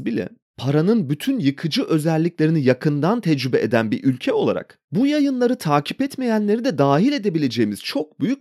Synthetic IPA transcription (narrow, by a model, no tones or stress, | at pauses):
bilʲɛ̰ | pʰaɾanɯnbyt̪ʰynjɯkʰɯd͡ʒɯʔø̞zælʲːiclʲe̞ɾinijakʰɯnd̪ant̪ʰɛd͡ʒɾybɛʔed̪ænbiɾʔylʲcʰɛo̞lˠa̰ɾa̰k | bujajɯnlˠaɾɯt̪ʰaːcʰipɛt̪me̞jænlʲe̞ɾid̪ɛd̪aːɦilʲe̞d̪e̞bilʲe̞d͡ʒe̞jimiz̥t͡ʃʰo̞k̚byjy